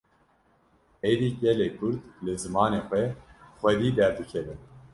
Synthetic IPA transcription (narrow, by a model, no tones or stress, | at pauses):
ed̪iːɟɛleːkʰʊɾd̪lɨzɨmɑːneːxʷɛxʷwɛd̪iːd̪ɛɾd̪ɨkʰɛvɨn